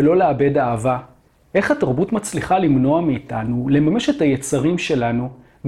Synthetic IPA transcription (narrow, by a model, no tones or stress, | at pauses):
elo̞leabe̞daːva | ʔe̞χhataʁbutmat͡sliχalimno̞ameːtanule̞mame̞ʃe̞thajet͡saʁimʃe̞lanu